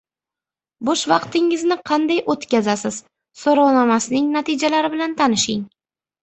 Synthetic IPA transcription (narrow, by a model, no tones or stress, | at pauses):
boʃvɑqt̪ɪŋɪznɪqʰɑnd̪ajʔot̪kʲazasɪz̥ | soɾɒwnɒmasɪnɪŋnat̪ʰid͡ʒalaɾɪbɪlant̪ʰanɪʃɪŋ